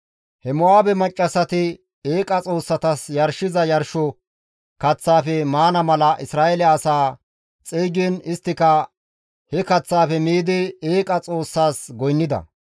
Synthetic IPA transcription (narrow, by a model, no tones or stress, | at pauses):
hɛmʊaːbɛmɐt͡ʃʼːɐsɐt̪ɪ | eːkʼɐt͡sʼo̞ːsːɐt̪ɐsjɐɾʃɪzɐjɐɾʃɔ | kɐt͡sːaːfɛmaːnɐmɐlɐʔɪsɾaːʔɛlɛɐsaː | t͡sʼiːɡɛnɪst̪ːɪkɐ | hɛkɐt͡sːaːfɛmiːd̪ɪeːkʼɐt͡sʼo̞ːsːaːsɡɔjnːɪd̪ɐ̰